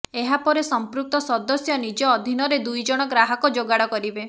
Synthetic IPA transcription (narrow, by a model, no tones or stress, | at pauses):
eɦapɔɾesɔmpɾuk̚t̪ɔsɔd̪ɔsjɔnid͡ʒɔːd̪ʱinɔɾed̪ujd͡ʒɔɽ̃ɔɡɾaɦɔkɔd͡ʒoɡaɽɔkɔɾibe